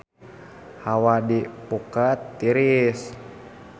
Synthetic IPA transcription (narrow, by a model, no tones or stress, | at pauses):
hawadipukat̪ːiɾis